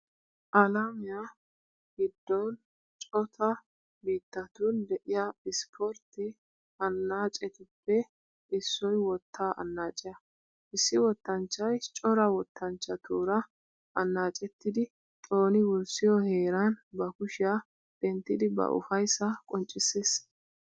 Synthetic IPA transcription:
ʔɐlamɪja | ɡɪd̪ːɔn | t͡ʃʼɔt̪ʰɐ | biːt̪ːɐt̪und̪ɛʔɪjaɪspʰɔɾt̪ɪ | ɐnːaːt͡ʃʼɛt̪ɪpːɛ | ɪsːɔjwɔt̪ʰːaːʔɐ̰nːaːt͡ʃʼɪjɐ | ʔɪsːɪwɔt̪ːɐnt͡ʃːɐjt͡ʃʼɔɾɐwɔt̪ːɐnt͡ʃːɐt̪uːɾɐ | ʔɐnːaːt͡ʃʼɛt̪ːɪd̪ɪ | t̪ʼo̞ːnɪwʊɾsɪjɔheːɾɐnbɐkʊʃɪja | d̪̥ɛnt̪ːɪd̪ɪbɐ̰ʔʊ̰fɐjsːɐkʼɔnt͡ʃʼːɪsːes

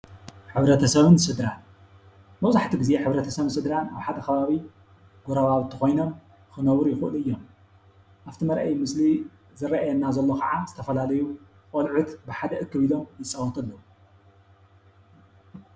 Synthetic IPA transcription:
ħɨβɾɐt̪ʰɐsɐβɨnsɨd̪ɾan | mɐwzaħt̪ʰiɡizeħɨβɾɐt̪ʰɐsɐβɨnsɨd̪ɾana̰βħad̪ɐkʰɐβaβi | ɡ̥oɾaβaβɨt̪ʰːixo̞jno̞m | xɨnɐwɨɾjɪxɨʔɨlɨjːom | ʔaft̪ʰimɐɾʔɐjmɨsli | zɨɾɐʔajɐnːazɐlːo̞kʰɐʕazɨt̪ʰɐfɐlalɐju | kʼolʕut̪bɨħad̪ɐʔɨkʰːɨβilo̞mjɪt͡sʼɐwɔt̪ʰɐlːɐu

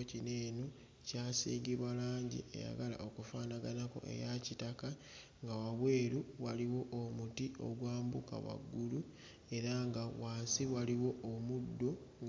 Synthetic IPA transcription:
cine̞ːno | caːsḭːŋɡiβwalaːɲɟḭḛja̰ɡala̰ʔo̞kufaːnaɡanako̞̰ʔe̞̰jacitaka | ŋɡawaβwe̞ːɾuwaliwo̞ʔomutio̞̰ɡwaːmbuka̰wa̰ɡːulu | e̞ɾaŋɡawaːsiβwaliwo̞ːmudːo̞

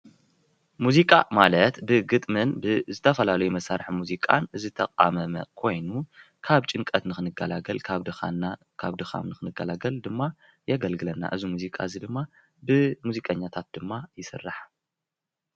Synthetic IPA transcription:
muzikʼa̰malɐt̪bɨɡɨt̪ʼmɨnbɨzɨt̪ʰɐfɐlalɐjumɐsaɾħmuzikʼa̰nɨzɨt̪ʰɐqʼa̰mɐmɐ̰kʰo̞jnu | kʰaβt͡ʃʼɨŋkʼɐt̪nɨxɨnɨɡalɐlʰa | kʰaβd̪ɨxa̰mnɨxɨnɨɡɐlaɡɐld̪ɨmːa | jɐɡɐlɡɨlɐnːa̰ʔɨzimuzikʼa̰ɨzid̪ɨmːa | bɨmuzikʼɐɲːat̪ʰat̪̚d̪ɨmːajɪsɨ̰rːaħ

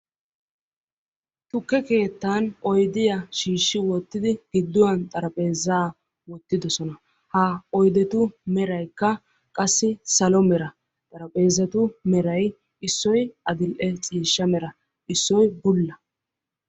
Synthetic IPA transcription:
t̪ʊkːɛke̞ːt̪ːaːnɔjd̪ɪjɐʃiːʃːɪwɔt̪ːɪd̪ɪɡ̥ɪd̪ːʊwɐnt̪ʼɐɾɐpʼe̞ːzaː | wɔt̪ːɪd̪ɔsɔnɐ | hɐɔjd̪ɛt̪ʊmɛɾɐjkːɐ | kʼɐsːɪsɐlɔmɛɾɐ | t̪ʼɐɾɐpʼe̞ːzɐt̪ʊmɛɾɐj | ɪsːɔjɐd̪ɪlʔɛt͡sʼiːʃːɐmɛɾɐ | ɪsːɔjbʊlːɐ

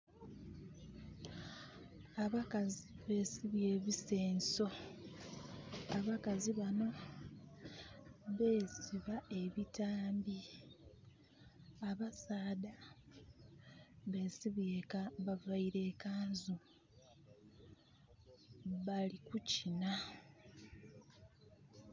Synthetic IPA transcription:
aβakaziβe̞ːsiβje̞ːβise̞ːnso̞ | aβakaziβano̞ | βe̞ːziβae̞βitaːmbi | aβasaːda | βe̞ːsiβjeaβavaiɾe̞ːkaːnzu | βalikucina

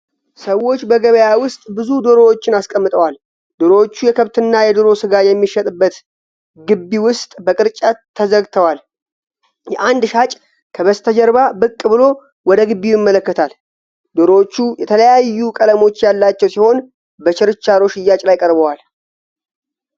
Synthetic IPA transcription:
səwːo̞t͡ʃːbəɡəβəjawʊst̪ʼbɨzud̪oɾo̞wot͡ʃːɪnaskʼəmːɨt̪ʼəwal | d̪oɾowot͡ʃːujɛkʰəβt̪ʰɨnːajɛd̪oɾo̞sɨɡajɛmːiʃɛt̪ʼɨbːət̪ | ɡɨbːiwʊst̪ʼbəkʼɨɾt͡ʃʼat̪ʰːəzəɡt̪ʰəwal | jɛʔand̪ʃat͡ʃʼ | kʰəβəst̪ʰəd͡ʒɛɾbabɨkʼːbɨlo̞ | wɔd̪əɡɨbːijɪmːələkːət̪ʰal | d̪oɾot͡ʃːujɛt̪ʰələjajːukʼələmo̞t͡ʃːjalːat͡ʃːɛwsiho̞n | bət͡ʃʰɪɾɨt͡ʃːaɾo̞ʃɪjːat͡ʃʼlajkʼəɾbəwal

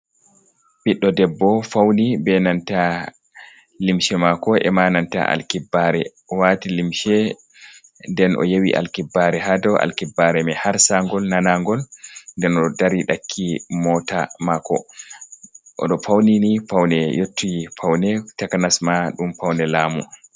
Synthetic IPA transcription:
ɓiɗːɔdɛbːɔfawnibɛnanta | limʃɛmakɔʔɛ̰mananta̰ʔa̰lkibːaɾɛ | watilimʃɛ | ndɛnʔɔ̰jawiʔa̰lkibːaɾɛɦadɔʔa̰lkibːaɾɛmɛhaɾsaŋɡɔlnanaŋɡɔlndɛnɔdaɾiɗakʰːimɔtamakːɔ̰ | ʔɔ̰ɗɔfawninifawnɛjotːufawnɛtakanasmaɗumfawnɛlaːmṵ

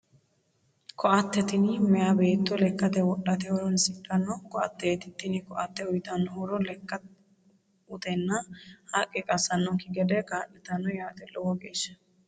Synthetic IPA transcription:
kʰɔʔɐt̪ːɛt̪ɪnɪmɛjabe̞ːt̪ːɔlɛkːɐt̪ɛwɔɗːɐt̪ɛhɔɾɔnsɪkʼːɐnːɔkɔʔɐt̪ːɛt̪ɪt̪ːɪnɪkɔʔɐt̪ːɛʊjt̪ɐnːɔɾɔlɛkːɐ | ʊt̪ɛnːɐhaːkʼːɛkʼɐsːɐnːɔŋkɪɡɛd̪ɛɡaːnːɛt̪ɐnːɔjaːt̪ɛlɔwɔɡeːʃːɐ̥

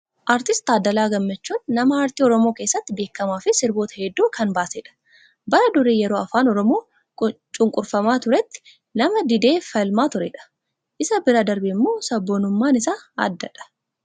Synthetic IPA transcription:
ʔaːɾt̪ɪst̪aːd̪ːɐlaːɡɐmːɐt͡ʃːuːnːɐmɐaːɾt̪iːɔɾɔmo̞ːke̞ːsːɐt̪ːɪbe̞ːkːɐmaːfɪsɪɾboːt̪ɐ̥hɛd̪ːuːkɐnbaːseːᶑɐ̥ | bɐɾɐd̪ʊɾeːjɛɾo̞ːɐfaːnɔɾɔmo̞ː | t͡ʃʼʊŋkʼʊɾfɐmaːt̪ʊɾɛt̪ːɪ̥ | nɐmɐd̪ɪd̪e̞ːfɐlmaːt̪ʊɾɛᶑɐ̥ | ʔɪsɐbɪɾad̪ɐɾbɪɪmːoːsɐbːoːnʊmːaːnɪsaːɐ̰d̪ːɐᶑɐ̥

